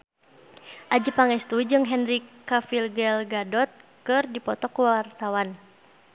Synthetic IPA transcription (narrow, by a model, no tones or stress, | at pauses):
ʔad͡ʒəpaŋɛst̪ud͡ʒɨŋɦɛnɾikːafilɡɛlɡadɔt̪̚kɨrdipɔt̪ɔkuwart̪awan